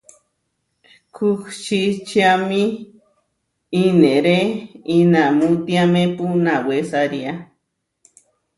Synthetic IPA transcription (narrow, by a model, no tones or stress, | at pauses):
kʰukʃit͡ʃjami | neɾeinamut̪iamepunawesaɾia